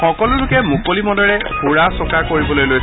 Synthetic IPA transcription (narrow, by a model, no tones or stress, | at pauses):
xɔkɔlʊlʊkɛmukolimɔdɔɹɛbʰʱuɹasɔkaɹkoɹibɔlojloj